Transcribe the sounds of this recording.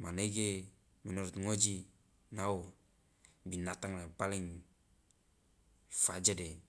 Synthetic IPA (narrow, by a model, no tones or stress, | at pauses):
maneɡe | mɛnɔɾut̪ŋod͡ʒi | naw | binat̪aŋlapaliŋ | fad͡ʒade